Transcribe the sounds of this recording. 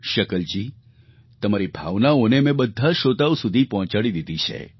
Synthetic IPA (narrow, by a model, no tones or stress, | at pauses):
ʃəkəld͡ʒi | t̪əmaɾibʱa̰ʋnaonemẽbəd̪ʱːaʃot̪awsud̪ʱipɔɦɔ̃t͡ʃaɽid̪id̪it͡ʃʰḛ